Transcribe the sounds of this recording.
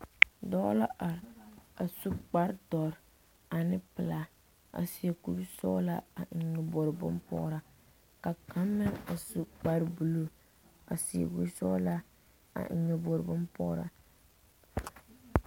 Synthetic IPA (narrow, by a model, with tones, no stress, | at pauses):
dɔ˦la̰˦ʔa˨ɾa˨su˦k͡pa˦ɾdɔ˨ɾ | a˨nɪ˦pɪ˨la˨ | a̰˨si˨e˨ku˦ɾsɔ̰˦la˦a˨ɲɔ˨bo˨ɾbʊ̰˦mpɔ̰˦ɾa˦ | ka˨ka˦mːɪ˦ŋa˨su˦k͡pa˦ɾbu˨lo˨ | a̰˨si˨ḛ˨ku˦ɾsɔ̰˦la˦ | a̰˨ɲɔ˨bo˨ɾɨ˨bʊ˦mpɔ̰˦ɾa̰˨